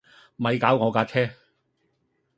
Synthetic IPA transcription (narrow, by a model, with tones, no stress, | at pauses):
mɐ˨˧jkaː˨˥wŋɔː˨˧kaː˧t͡ʃʰɛː˥